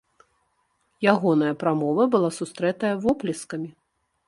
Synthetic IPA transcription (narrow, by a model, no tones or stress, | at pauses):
jaɣɔnɐjɐpɾamɔvɐbɨlˠasust̪ɾɛt̪ɐjɐvɔplʲɛskɐmʲi